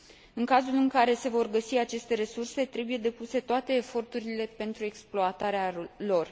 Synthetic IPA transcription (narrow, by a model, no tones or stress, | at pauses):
ɨŋkazulɨŋkaɾe̞se̞vo̞rɡəsiat͡ʃe̞st̪e̞ɾe̞surse̞t̪ɾe̞buje̞d̪e̞puse̞t̪oat̪e̞ːfo̞rt̪uɾile̞pe̞nt̪ɾue̞ksploat̪aɾealo̞r